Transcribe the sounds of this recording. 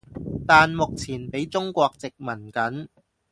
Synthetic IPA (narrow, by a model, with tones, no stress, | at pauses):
t̪aː˨nmʊ˨k̚t͡sʰiː˨˩npe˨˥jt͡sʊ˥ŋkʷɔː˧k̚t͡sɪ˨k̚mɐ˨˩nkɐ˨˥n